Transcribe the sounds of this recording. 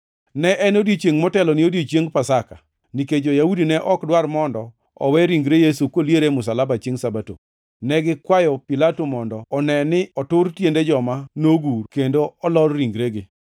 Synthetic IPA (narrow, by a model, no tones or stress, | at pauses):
nɛʔɛnodiet͡ʃjeŋmɔtɛlɔnɪodit͡ʃjeŋpasaka | niked͡ʒojaudinɛʔɔkdwarmɔndɔ | ɔ̰wɛɾiŋɡɾejesukoljeɾemʊsalabat͡ʃeŋsabato̰ | nɛɡɪkwajɔpilatomɔndɔːnɛnɪɔtʊrtjended͡ʒɔmanoɡurkendoɔlɔrɾiŋɡɾeɡɪ